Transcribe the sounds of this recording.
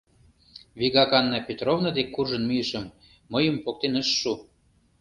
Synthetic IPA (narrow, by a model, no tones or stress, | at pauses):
βiɣɑkɑnːɑpʲet̪rovnɑd̪ekːurʒə̆nmyjəʃə̆mː | ɤjə̆mpok̚t̪enəʃʃu